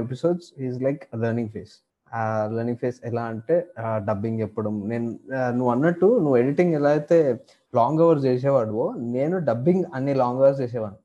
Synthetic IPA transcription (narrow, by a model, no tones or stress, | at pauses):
episoːɖsɦiːzlɐjklɐɾnĩŋɡfʰeːs | ləɾnĩŋfʰeːsɛlaːɐɳʈeːɖɐbːiŋɡɛpːɐɽɐmneːnunuʋːɐnːɐʈːunuʋːueɽiʈĩŋɡɛlaːit̪e | laːŋɡɐʋɐɾsd͡ʒeːs̬ɛːʋaːɽuʋoːneːnuɖɐbːiŋɡɐnːeːlaːŋɡɐʋɐɾsd͡ʒeːs̬eːʋaːnu